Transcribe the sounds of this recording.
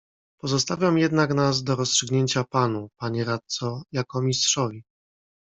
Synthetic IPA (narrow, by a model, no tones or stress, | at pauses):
pɔzɔst̪avʲjamjɛd̪naknazd̪ɔɾɔstʂɘɡɲeɲt͡ɕapanupaɲɛɾat̪sɔjakɔmʲistʂɔvʲi